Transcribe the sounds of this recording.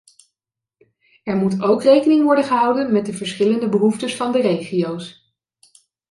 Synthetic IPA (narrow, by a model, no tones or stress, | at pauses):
ɛɹmutowkrejkənɪŋʋɔɹdəχəɦɑwdənmɛt̚dəvəɹsχɪləndəbəɦuftəsfɑndərejχiows